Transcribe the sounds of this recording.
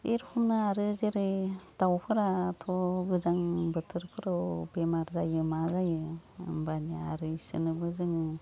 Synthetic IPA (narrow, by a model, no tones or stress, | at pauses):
eɾpʰumnɯaɾɯzeɾed̥awpʰɯɾatʰɔɡɯzaŋbɯtʰɯɾkʰɯɾɔwbemaɾzajɯmazajɯ̰mbanaa̰ɾɯsɯ̰nɯbɯzɯŋɯ